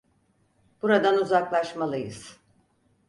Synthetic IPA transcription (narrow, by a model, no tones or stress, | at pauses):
b̥uɾad̪anuzaklˠaʃmalˠɯjɯz̥